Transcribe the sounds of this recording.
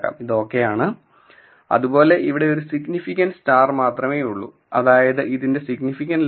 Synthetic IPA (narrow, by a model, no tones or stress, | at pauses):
ka̰ːmiðo̞ːkːe̞jaːɳɨ | ɐ̰ðubo̞ːle̞ʔiʋiɽe̞o̞ɾusiɡnifikʲːɐnɖstaːrmaːt̪rɐme̞ːjuɭːṵ | ɐ̰ðaːjɐðɨʔiðinde̞siɡnifikʲːɐnɖ